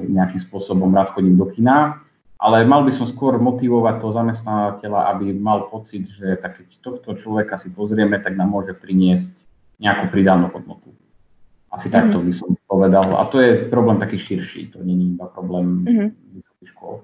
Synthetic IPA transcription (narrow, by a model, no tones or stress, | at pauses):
ɲɛakimspʊɔsɔbɔmɾaːt̪xɔɟimd̪ɔkina | ʔa̰lɛmalbisɔmskʊɔɾmɔt̪iʋɔʋac̚t̪ɔɦɔzamɛst̪naʋacɛlaʔabimalpɔt͡sid̪ʒɛt̪akːɛct̪ɔxt̪ɔt͡ʃlɔʋɛkasipɔzɾɪɛmɛt̪aɡnamːʊɔʒɛpɾiɲɪɛsc | ɲɛakuːpɾid̪anuːɦɔd̪nɔt̪u̥ | ʔasit̪akt̪ɔbisɔmpɔʋɛd̪ala̰t̪ɔjɛpɾɔblɛːmt̪akiːʃiɾʃḭːt̪ɔ̰ɲɛɲibapɾɔblɛːmʋisɔ̥kixʃkʊɔ̰l